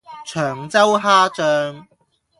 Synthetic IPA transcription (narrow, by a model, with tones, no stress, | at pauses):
t͡ʃʰœː˨˩ŋt͡sɐ˥wɦaː˥t͡ʃœː˧ŋ